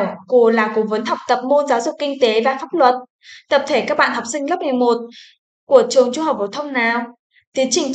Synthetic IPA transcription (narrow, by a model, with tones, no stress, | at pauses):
wku˧˩əlaː˨˩ko˨˩˦və˨˦nhɔ˨˩wk͡p̚t̪ə˨˩p̚mo˧nzaː˨˦wzʊ˨˩k͡pk̚kï˧ŋ̟t̪e˨˦vaː˨˩faː˦˥p̚lwə˨˩t̚ | t̪ə˨˩p̚t̪ʰe˧˩kaː˦˥ɓa̰ː˧˨nhɔ˨˩w̚sï˧ŋ̟lə˦˥p̚m˨˩əjmo˨˩t̚ | ku˧˩ət͡ɕɨ˨˩əŋt͡ɕu˧həː˨˩p̚ːo˨˩t̪ʰə˧wŋ͡mnaː˨˩w | t̪i˨˦ənt͡ɕï˨˩ŋ̟t͡ɕ